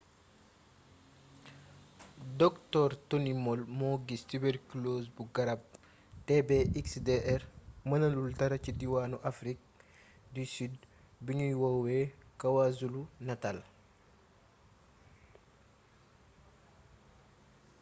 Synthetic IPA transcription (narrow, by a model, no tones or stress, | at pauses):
dɔktɔɾtonimɔlmɔɡistiberklosbuɡɐɾab̚ | tɛbeiksdeʔɛɾmɐnɐlultɐɾɐcidiwanuʔafɾik̚ | disyd̚ | biɲujwawekɐwazulunatal